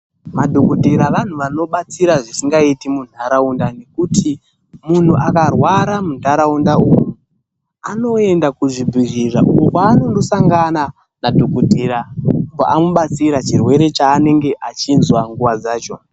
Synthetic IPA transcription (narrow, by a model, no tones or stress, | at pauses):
madʱokodʱeɾaʋan̤uʋano̞ɓat͡siɾaʐisiŋɡaitimun̤aɾaundane̞kutʰi | mun̤uʔakarwaɾamundaɾaundauːju | ano̞e̞ndakuʐibiʐiʐa̰okaːnondosaŋɡana | nadʱo̞kodʱeɾambaʔamuɓat͡siɾat͡ʃirwe̞ɾe̞t͡ʃaːne̞ŋɡe̞ʔat͡ʃinzwaŋɡuʋad͡zaːt͡ʃo̞̰